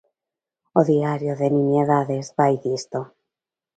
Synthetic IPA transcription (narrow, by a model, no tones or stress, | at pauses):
oðiaɾjoðenĩɲeðaðezβajðist̪o